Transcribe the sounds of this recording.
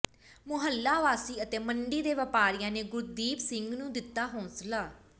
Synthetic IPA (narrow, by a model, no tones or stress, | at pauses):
mʊɦəlːaːʋaːsiːət̪eːməɳɖiːd̪eːʋəpaːɾɪjãːneːɡʊɾd̪iːpsɪŋɡnũːd̪ɪt̪ːaːɦoːslaː